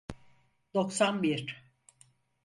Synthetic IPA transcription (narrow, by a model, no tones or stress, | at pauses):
d̪̥o̞ksanbiɾ